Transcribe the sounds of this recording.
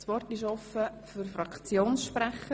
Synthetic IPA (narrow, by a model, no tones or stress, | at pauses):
sʋɔrtɪʃɔfəfyɾfrɑkt͡sjoːnsʃpɾæχə